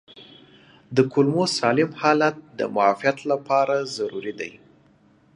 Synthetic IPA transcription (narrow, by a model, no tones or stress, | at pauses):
d̪əkʰʊlmosɑlɪmhɑlat̪̚d̪ə̰mʊafijat̪lapʰɑɾazaɾuɾid̪aj